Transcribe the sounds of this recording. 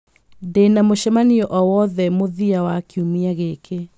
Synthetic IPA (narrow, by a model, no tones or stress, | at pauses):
denamoʃɛmaniɔʔɔwɔðɛmoðiawakiumiaɣekʰe